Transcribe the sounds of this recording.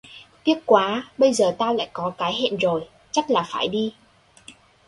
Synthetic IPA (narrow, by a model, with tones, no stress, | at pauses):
t̪i˦˥ət̚kwaː˨˦ɓə˧jzəː˨˩t̪aː˧wla̰ː˧˨jkɔ˨˦kaː˨˦jɦḛ˧˨nzo˨˩j | t͡ɕa˦˥k̚laː˨˩faː˧˩jɗi˧